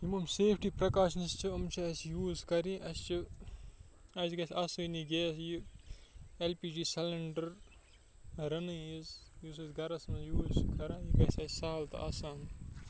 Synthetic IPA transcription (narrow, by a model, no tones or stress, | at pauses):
jimɐmseːpʰʈiːpɾɐkaːʃnist͡ʃʰiɐmt͡ʃʰiɐsjuːzkɐɾiʔɐst͡ʃʰɨ | ɐziɡɐsʲɐsujniɡeːsji | elpiːd͡ʒiːsɐlɐɳɖɐɾ | ɾɐnɨjizjuːs̬ɨzɡɐɾɐsɐnjuːzkɐɾajiɡɐsʲɐssaːlt̪ɐ̰ʔɐ̰saːn